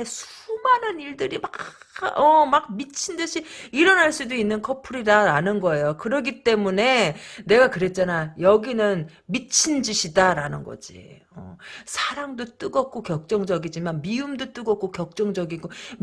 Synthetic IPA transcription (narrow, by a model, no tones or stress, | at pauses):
esʰumanɯniɭdɯɾimaʌmak̚mit͡ɕʰindɯɕʰiiɾʌnɦaɭs͈udoinːɯnkʰʌpʰuɾidaɾanɯnɡʌe̞jokɯɾʌɡit͈e̞mune̞ne̞ɡakɯɾe̞t̚t͡ɕ͈anajʌɡinɯnmit͡ɕʰind͡ʑiɕʰidaɾanɯnɡʌ̰d͡ʑḭ | ʌ̰sʰaɾaŋdot͈ɯɡʌk̚k͈okjʌk̚t͡ɕ͈ʌŋd͡ʑʌɡid͡ʑimanmiumdot͈ɯɡʌk̚k͈okjʌk̚t͡ɕ͈ʌŋd͡ʑʌɡiɡo